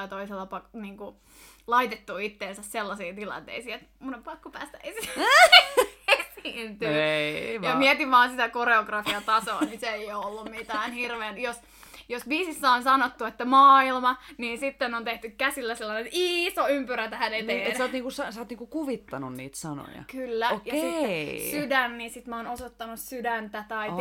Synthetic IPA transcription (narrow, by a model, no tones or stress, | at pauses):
ɑit̪oiselːɑpɑniːŋku | lɑit̪et̪ːuit̪ːeːnsæsselːɑsiːt̪ilɑ̰nt̪ḛisiːet̪munompɑkːupæ̰ːst̪æeisit̪ | esiːnt̪yːjɑmiɛt̪iʋʋɑːnsit̪ækoreoɡrɑfiɑt̪ɑso̰ːniseeijoolːummit̪æːnhirʋeːnjos | josbiːsisːæonsɑnot̪ːuet̪ːæmɑːilmɑniːnsit̪ːenont̪eht̪ykkæsilːæselːɑnenisoympyɾæt̪æhænet̪eensɑːt̪niːŋkusɑsɑːt̪niːŋkukuʋit̪ːɑnunnḭːt̪sɑno̰jɑ̰kylːæokjɑesisydænːinsit̪mæoːnosot̪ːɑnussydænt̪æt̪ɑi